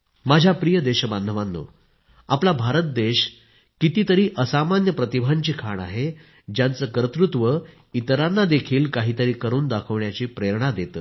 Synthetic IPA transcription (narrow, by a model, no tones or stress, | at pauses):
mad͡ʑʱjapɾijəd̪eɕəband̪ʱəʋanːo̰ | aplabʱaɾət̪̚d̪eɕ | kit̪iːt̪əɾiːʔəsamanjəpɾət̪ibʱaɲt͡ɕiːkʰaɳa̰ɦe | d͡ʑjant͡səːkəɾət̪ɾut̪ʋə | it̪əɾanːad̪ekʰiːlkaɦiːt̪əɾiːkəɾuːnd̪akʰəʋɳjat͡ɕiːpɾeɾɳad̪et̪əː